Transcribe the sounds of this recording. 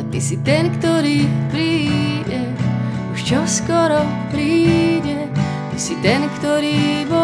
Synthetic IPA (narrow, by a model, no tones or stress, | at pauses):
t̪isit̪ɛnkt̪ɔɾiːpɾiːɟɛ | uʃt͡ʃɔskɔɾɔ | pɾiːɟɛ | t̪isit̪ɛnkt̪ɔɾiːbɔ